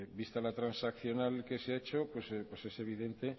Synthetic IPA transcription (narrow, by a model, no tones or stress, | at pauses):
bist̪alat̪ɾansakθjo̞nalke̞seaet͡ʃo̞pwe̞spwe̞se̞se̞β̞iðe̞nt̪e̞